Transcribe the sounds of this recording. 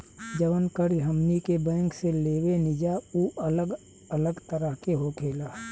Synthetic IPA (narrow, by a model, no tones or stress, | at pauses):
d͡ʒəʋənkəɾd͡ʒɦəmnikebɛ̃ːŋkseleːwenɪd͡ʒauːʔələɡ | ələɡt̪əɾəɦkeɦokʰeːlaː